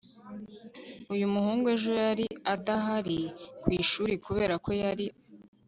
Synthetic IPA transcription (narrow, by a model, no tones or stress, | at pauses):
ujumuhuːŋɡueʒojaɾiataɦaɾikwiːʃuːɾikuβe̞ːɾako̞jaɾi